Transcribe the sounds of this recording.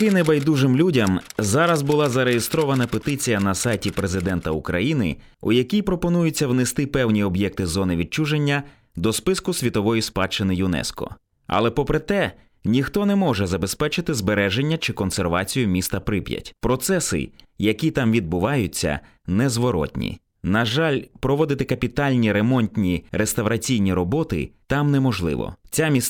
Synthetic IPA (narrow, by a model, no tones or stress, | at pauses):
kɪnebɐjd̪uʒɪmlʲudʲɐmzɑɾɐzbʊlˠɑzɐɾejest̪ɾɔʋɐnɐpet̪ɪt͡sʲijɐnɐsɑjtʲipɾezɪd̪ɛnt̪ɐukɾɐ̰jinɪ̰ | ṵjɐkʲijpɾɔpɔnujʊt͡sʲːɐwnest̪ɪpɛwnʲiɔbjɛk̚t̪ɪzɔnɪʋʲid̚t͡ʃuʒenʲːɐ | d̪ɔspɪskʊsʲʋʲit̪ɔʋɔjispɑt͡ʃːɪnɪjʊnɛ̰skɔ̰ | ɐ̰lˠɛpɔpɾet̪ɛ | nʲixt̪ɔnɛmɔʒɛzɐbe̞spɛt͡ʃɪt̪ɪzbeɾɛʒenʲːɐt͡ʃɪkɔnserʋɑ̰t͡sʲijʊmʲist̪ɐpɾɪpʲjɐ̰tʲpɾɔt̪sɛsɪ̰jɐkʲit̪ɑmʋʲid̪̚bʊʋɑjʊt͡sʲːɐ̰ | nɛzʋɔɾɔ̰t̪ʲnʲḭ | nɐʒɑlʲpɾɔʋɔd̪ɪt̪ɪkɐpʲit̪ɑlʲnʲiɾemɔnʲt̪ʲnʲiɾest̪ɐwɾɐt͡sʲijnʲiɾɔbɔt̪ɪ̰t̪ɑmnɛmɔʒlˠɪ̰ʋɔ̰t͡sʲamʲis